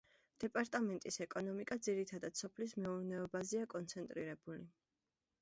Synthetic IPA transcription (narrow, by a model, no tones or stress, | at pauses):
d̪̥ɛpʼaɾt̪ʼamɛnt̪ʼisɛkʼɔnɔmikʼad̪ziɾit̪ʰad̪ad̪sɔpʰlis̬mɛuɾnɛɔbazɛakʼɔnt̪sʰɛnt̪ʼɾiɾɛbuli